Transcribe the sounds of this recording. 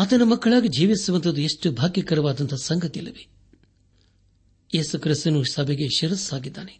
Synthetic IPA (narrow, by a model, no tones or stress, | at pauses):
ɐt̪ɐnumɐkːɐɭaːɡid͡ʒiːʋisuʋɐnt̪ʰɐd̪ueʂʈubʱaːɡjɐkɐɾɐʋaːd̪ɐnt̪ʰɐsɐŋɡʱɐt̪ilɐʋi | jeːsukɾist̪ɐnusɐbʱeɡeʃɐɾɐsaːɡid̪ːaːne